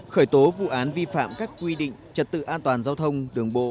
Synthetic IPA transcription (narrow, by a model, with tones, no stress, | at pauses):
xəː˧˩jt̪o˨˦vṵ˧˨ʔaː˨˦nvi˧fa̰ː˧˨mkaː˦˥kːwi˧ɗḭ̈˧˨ŋ̟t͡ɕə˨˩t̚t̪ɨ̰˧˨ʔaː˧nt̪waː˨˩nzaː˧wt̪ʰə˧wŋ͡mɗɨ˨˩əŋɓo̰˧˨